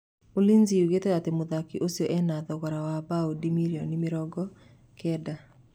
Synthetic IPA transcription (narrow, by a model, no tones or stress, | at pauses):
olinziuɡetɛɣatemoðakiʔosjɔʔɛnaðɔɣɔɾawabaodimiɾjɔnimɪɾɔɡɔ | kʰɛda